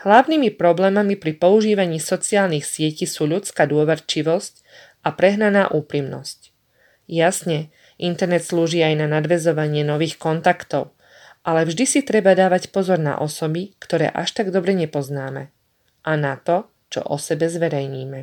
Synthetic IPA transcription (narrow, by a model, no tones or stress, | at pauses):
hlaʊnimipɾɔblɛːmamipɾipɔuʒiːʋaɲiːsɔt͡siaːlnixsɪɛcisuːʎut͡skaːd̪ʊɔʋɛɾt͡ʃiʋɔsc | ʔapɾɛɦnanaːʔuːpɾimnɔ̰sc | jasɲɛ | ʔint̪ɛɾnɛt̪sluːʒiːajnanad̪ʋɛzɔʋaɲɪɛnɔʋiːxkɔnt̪akt̪ɔʊ | ʔalɛvʒd̪isit̪ɾɛbad̪aːʋacpɔzɔɾna̰ʔɔsɔbikt̪ɔɾɛ̰ːʔa̰ʃt̪aɡd̪ɔbɾɛɲɛpɔznaːmɛ̰ | ʔanat̪ɔ | t͡ʃɔ̰ʔɔsɛbɛzʋɛɾɛjɲiːmɛ